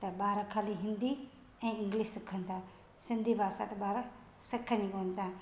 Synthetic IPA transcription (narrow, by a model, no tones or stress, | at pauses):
t̪ɐɓaːɾakʰaːliɦɪ̃nd̪i | ɛ̃ːɪ̃ŋɡliʃsɐkʰənt̪ʰaː | sɪ̃nd̪ʱibʱaːsa̰t̪ɐɓaːɾa | sɐkʰːənikoːnt̪ʰa